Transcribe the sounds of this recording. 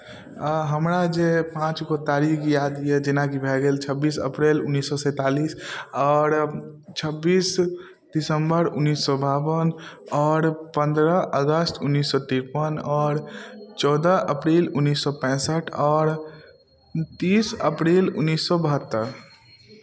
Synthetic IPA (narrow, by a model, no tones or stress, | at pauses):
ɦəmɾad͡ʒepãːt͡ʃkot̪aːɾikkjad̪ijed͡ʒɪnãkibʱɛɡelt͡ʃʰəbːiːsə̰pɾelʊnːiːsːɔsɛ̃ːt̪aːliːsɔːɾt͡ʃʰəbːiːs | dɪsəmbəɾʊnːiːsːɔbabənɔːɾpə̃nd̪ɾəʔəɡəsʈʰʊnːiːsːɔʈ̪iɾpənɔːɾt͡ʃɔːd̪əʔəpɾeːlʊnːiːsːɔpɛ̃ːsəʈʰɔːɾ | t̪iːsəpɾeːlʊ̰nːisːɔbəɦət̪ːəɾ